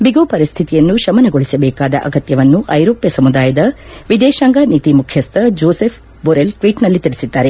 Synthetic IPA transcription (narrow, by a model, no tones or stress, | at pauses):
biɡoːpɐɾist̪ʰit̪ijɐnːuʃɐmɐnɐɡoɭisɐbɛːkaːd̪ɐ̰ʔɐ̰ɡɐt̪jɐʋɐnːuʔɐjɾoːpjɐsɐmud̪aːjɐd̪ɐʋid̪ɛːʃaːŋɡanit̪imukʰjɐst̪ʰɐd͡ʒoːsefʰ | boɾelʈʋiːʈnɐlːit̪iɾisid̪ːaːɾe̞